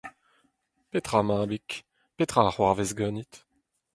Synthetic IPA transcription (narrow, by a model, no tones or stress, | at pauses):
pet̪χamãːbik | pet̪χaχwaʁvezɡœnit̪